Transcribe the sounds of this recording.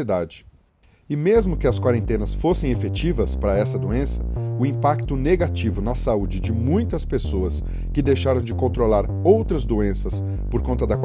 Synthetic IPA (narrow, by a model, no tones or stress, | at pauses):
id̪ad͡ʒɪ | ɪmezmʊkɪɐskwaɾẽnt̪ẽnɐsfosẽj̃efet͡ʃivɐspɾɐɛsɐd̪uẽsɐ̥ʊĩpakt̪ʊneɡat͡ʃivʊnɐsaud͡ʒɪd͡ʒɪmũj̃t̪ɐspesoɐs | kɪd̪ejʃaɾɐ̃w̃d͡ʒɪkõnt̪ɾolaɾ | owt̪ɾɐzd̪uẽsɐs | poɾkõnt̪ɐd̪ɐk